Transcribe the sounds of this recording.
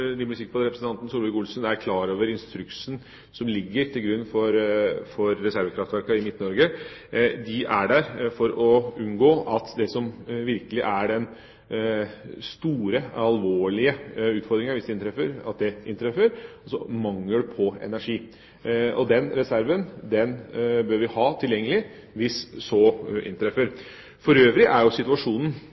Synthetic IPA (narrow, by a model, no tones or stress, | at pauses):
d̪ɪmʊlɪsɪk̚pʰɔːd̪ɾɛpɾəsn̩t̪ɑnt̪n̩suːɾʋɛkʊlsnæɾkʰlɑːɾoːʋəɾɪnst̪ɾʉksn̩ | sɔmlɪɡːəɾt̪ʰɪlɡɾʉnːfɔɾfɔɾːɛsæɾʋəkʰɾɑft̪ʋæɾkɑɪmɪt̪ːn̩ɔɾɡə | d̪ɪʔæɖæɾfɔɾɔʉnɡoːɑt̪d̪ɛsɔmʋɪɾkəlɪʔæɖɛn | st̪uːɾəɑlʋoːɭɪəʉːt̪fɔɾd̪ɾɪŋɑʋɪsd̪ɪɪnt̪ɾɛfəɾɑ̰t̪̚d̪ɛʔɪnt̪ɾɛfəɾɔsɔmɑŋləɖʉpʰɔɛ̰næʂiː | ɔd̪ɛnɾɛsæɾʋənd̪ɛnbøːɾʋɪhɑːt̪ʰɪljɛŋːəlɪ | ʋɪssɔːʔɪ̰nt̪ɾɛfːəɾ | fɔɾøːʋɾɪʔæɾjʊsɪt̪ʉɑʂuːnn̩